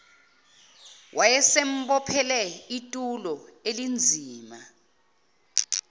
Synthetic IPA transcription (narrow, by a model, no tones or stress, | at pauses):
wʔajɛsem̩ɓɔpʰɛlɛitʼulɔelind͡zʱiːma